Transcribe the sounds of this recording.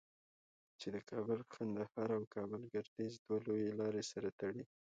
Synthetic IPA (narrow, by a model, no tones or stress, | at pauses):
t͡ʃed̪əkʰɑbəlxand̪ahɑɾawkɑbəlɡaɾd̪izd̪walojelɑɾesaɾat̪aɽi